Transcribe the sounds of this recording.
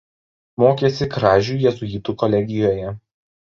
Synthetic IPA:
moːkʲeːsʲɪkɾɑːʒʲuːˑjɛzʊiːt̪uːkɔlʲɛɡʲɪjoːjɛ

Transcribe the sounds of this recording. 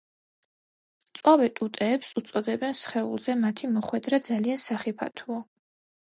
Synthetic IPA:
t̪sʼwavɛt̪ʼut̪ʼɛːpsut̪sʼɔd̪ɛbɛnsχɛṵlˠzɛmat̪ʰimɔχwɛd̪ɾad̪zaliansaχipʰa̰t̪ʰuɔ

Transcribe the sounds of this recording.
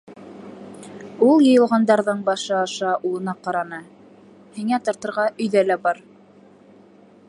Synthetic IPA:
ulˠjɤ̆jɤ̆lˠʁɑnd̪ɑɾðɤɴbɑʃɤɑʃɑʔulˠɤ̆nɑqɑɾɑnɤ | hiŋæt̪ɑ̆ɾt̪ɤ̆ɾʁɑʔɵ̆jðælæbɑɾ

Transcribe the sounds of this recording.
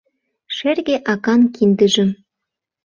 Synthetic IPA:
ʃerɣeʔɑkɑnkind̪ə̆ʒə̆m

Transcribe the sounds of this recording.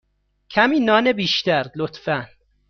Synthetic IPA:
cʰæmiːnɒːnebiːʃt̪æɾlot̪fæn

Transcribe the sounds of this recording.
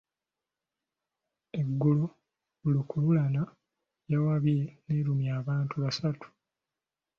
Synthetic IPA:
eɡːulo | ulukululana | jawaβje̞neɾumjaːβaːntuβasatu̥

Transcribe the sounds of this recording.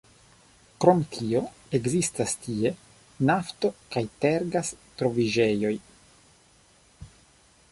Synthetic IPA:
kɾo̞mtʰio̞ | e̞ɡzistastie̞ | nafto̞kajte̞ɾɡastɾo̞vid͡ʒe̞jo̞j

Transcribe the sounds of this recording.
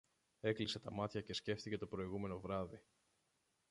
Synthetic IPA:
e̞klise̞t̪ɐmɐt̪çɐce̞sce̞ft̪ice̞t̪o̞pɾo̞iɣume̞no̞vɾɐði

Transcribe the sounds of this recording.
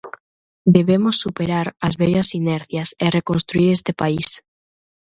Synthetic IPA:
d̪eβemosːupeɾaɾɐzβɛʎɐsinɛɾθjɐserekonst̪ɾuiɾest̪epais

